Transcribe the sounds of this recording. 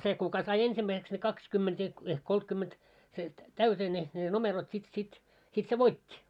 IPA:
se kukɑ sɑi ensimːæiseks ne kɑkskymːent ehk ehk koltkymːent se tæyteː ne ne nomerot sit sit sit se ʋoitʲːi

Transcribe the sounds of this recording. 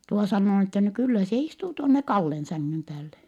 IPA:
tuo sɑnːoː n etːæ no kylːæ se istuː tuonːe kɑlːen sæŋːym pæːlːe

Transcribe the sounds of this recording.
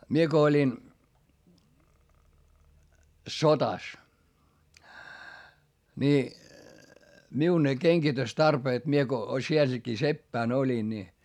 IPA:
mie ko olʲin sotɑ ni miu ne keŋɡ̊itøstɑrpeːt mie ko sielækiː sepːæˑn olʲin ni

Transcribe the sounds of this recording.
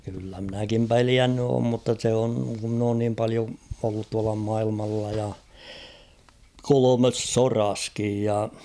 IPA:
kylːæ mɪ̆nækim peliænːy oːm mutːɑ se oŋ ku mn oːn niːm pɑlio olːut tuɑlɑ mɑilmɑlːɑ jɑ kolomes sorɑskij jɑ

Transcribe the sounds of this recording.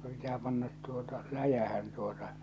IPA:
pitæː pɑnːɑt tuotɑ læjæhæn tuotɑ

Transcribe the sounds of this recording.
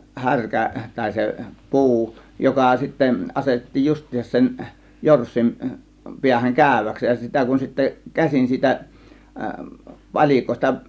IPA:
hærkæ tɑˑe̝ se pu̞u jokɑ sitːæ ɑsetetːiːj justˑiːsɑ̆s sen jorsːin piæhæŋ kæˑø̝ʋæks jɑ sitæ kun sitːæ kæsin siːtæ pɑlʲiˑkoˑe̝stɑ

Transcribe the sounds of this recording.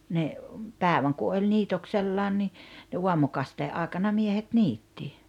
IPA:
ne pæːĕʋæŋ ku olʲ niːtokselːɑːn ni ne uɑmukɑsteːʔ ʔɑˑekɑnɑ miehet niːtːi

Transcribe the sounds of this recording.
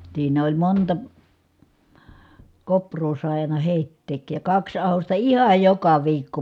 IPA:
siːn olʲ montɑ koprˑoː sɑˑi̯ ɑˑinɑ heˑitːeːkˑij jɑ kɑks ɑhostɑ ihɑj jokɑ ʋiːkːo

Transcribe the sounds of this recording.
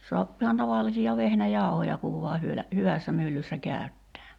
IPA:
soɑpː ihɑn tɑʋɑlˑisiɑ ʋehnæjɑˑu̞hojɑ kuʋ ʋuɑ hyølæ hyʋæsːæ mylːysːæ kæˑy̞tːæː

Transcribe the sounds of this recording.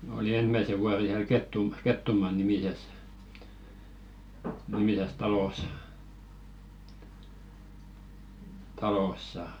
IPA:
oli ensmæse ʋuɑre hiæl ketːum ketːumɑːnimises nimises tɑlos tɑlosːɑ

